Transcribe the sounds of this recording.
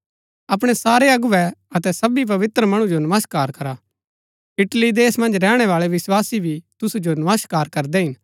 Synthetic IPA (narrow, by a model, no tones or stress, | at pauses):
ɐp̬ɽ̃esaːɾeɐɡʊʋɛɐt̪ɛsɐbip̬ɐʋɪt̪ɾəmɐɽ̃ũd͡ʒonɐməskaːɾkɐɾa | ɪʈlid̪eːsmɐ̃nd͡ʒɾɛːɽ̃ɛʋaːɭeʋɪswaːsibʱit̪ʊsud͡ʒonɐʋəskaːɾkɐɾd̪ɛɦɪn